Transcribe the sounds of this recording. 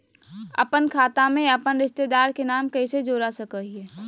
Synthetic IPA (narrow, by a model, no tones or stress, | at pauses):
ɐ̰pənkʰaːt̪amẽɐpənɾɪʃt̪ed̪aːɾkenaːmkɐised͡ʒoːɾasəkəɦiɛː